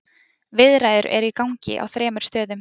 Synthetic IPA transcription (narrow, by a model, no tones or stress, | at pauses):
vɪðɾaːjðʏɾɛ̰ɾikawɲcɪ̰ʔa̰wθɾɛːmʏɾ̥st̪œːðʏm